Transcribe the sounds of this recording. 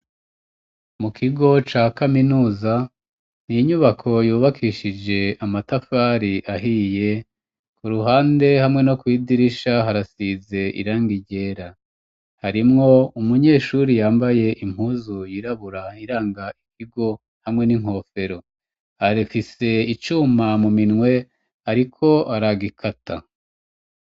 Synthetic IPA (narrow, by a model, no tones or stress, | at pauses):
mukʰiɡo̞t͡ʃaːkaminuːza | niɲuβakʰo̞juːβakʰiʃid͡ʒe̞amatafaːɾiʔaɦije̞ | kuɾuɦaːnde̞hamŋe̞no̞kwiːdiɾiʃaɦaɾasize̞ʔḭɾaːŋɡiɟe̞ːɾa | haɾimŋo̞umuɲe̞ːʃuːɾijaːmbaje̞ʔim̥huːzujiɾaβuɾaiɾaːŋɡaʔikiɡo̞ | hamŋe̞niŋ̥ho̞ːfe̞ɾo̞ | aɾifise̞it͡ʃumamuminŋwe̞ | aɾikʰo̞ʔaɾaɡikʰatʰa